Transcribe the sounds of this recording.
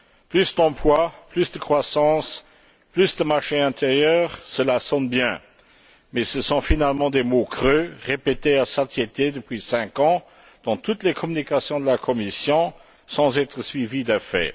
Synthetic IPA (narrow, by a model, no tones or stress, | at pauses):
plysd̪ɑ̃plwaplysd̪əkχwasɑ̃ːs | plysd̪əmaʁʃeɛ̃t̪ʰeʁjœːʁsəlasɔnbjɛ̃ | mɛsəsɔ̃finalmɑ̃d̪emokχøʁepet̪easat̪jet̪ed̪əpɥisɛ̃kɑ̃ | d̪̥ɑ̃t̪ut̪lekʰɔmynikasjɔ̃d̪əlakʰɔmisjɔ̃ | sɑ̃zɛt̪χəsɥivid̪əfɛ̰